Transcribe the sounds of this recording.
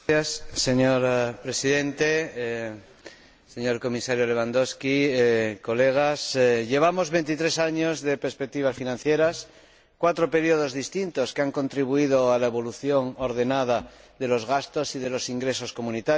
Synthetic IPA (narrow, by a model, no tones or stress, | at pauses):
asːe̞ɲoɾpɾe̞siðe̞nt̪e | se̞ɲo̞ɾko̞misaɾjole̞β̞and̪o̞skiko̞le̞ɣ̞asʎe̞β̞amo̞zβe̞nt̪it̪ɾe̞saɲozðe̞peɾspek̚t̪iβ̞asfinãnθje̞ɾas | kwat̪ɾo̞pe̞ɾioð̞o̞zðist̪int̪o̞skeaŋko̞nt̪ɾiβ̞uið̞oalaeβo̞luθjo̞ŋoɾðe̞nað̞a | ðe̞lo̞zɣast̪o̞sið̞e̞lo̞siŋɡɾe̞so̞sko̞mũnit̪a